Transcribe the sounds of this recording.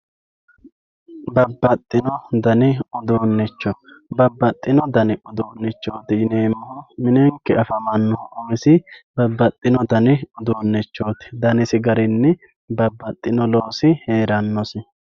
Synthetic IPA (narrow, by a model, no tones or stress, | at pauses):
bɐbːɐt̪ʼːɪnɔd̪ɐnɪɔd̪oːnːɛt͡ʃːɔ | bɐbːɐt̪ʼːɪnɔd̪ɐnɪʔɔd̪oːnːɛt͡ʃːo̞ːt̪ɪɪneːmːɔmɪnɛŋkɛɐfɐmɐnːɔʔɔɪsɪbɐbːɐt̪ʼːɪnɔd̪ɐnɪɔd̪oːnːɛt͡ʃːo̞ːt̪ɪ̥d̪ɐnɪsɪɡɐɾɪnːɛ | bɐbːɐt̪ʼːɪnɔloːsɪhe̞ːɾɐnːɔsɪ